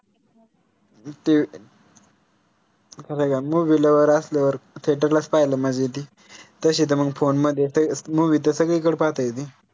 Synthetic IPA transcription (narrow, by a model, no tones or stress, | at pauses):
t̪i | kʰasaɡamuʋiləʋəɾəsljaʋəɾt̪ʰeʈ̬əɾlaspajləmad͡ʑet̪̬i | t̪əɕiːt̪̬əməɡfonməd̪ʱjesəmuʋiːt̪̬əsəɡɭiːkəɽpat̪ajt̪̬i